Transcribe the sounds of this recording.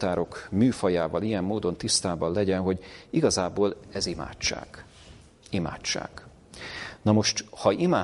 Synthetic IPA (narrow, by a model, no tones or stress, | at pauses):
t̪aːɾo̞kmyːfɒjaːvɒlijɛmːoːd̪o̞nt̪ist̪aːbɒnlːɛɟɛnɦo̞ɟiɡɒzaːboːlɛzima̰ːt͡ʃːa̰ːɡ̥ | ima̰ːt͡ʃːa̰ːɡ | nɒmo̞ʃt̪hɒimaː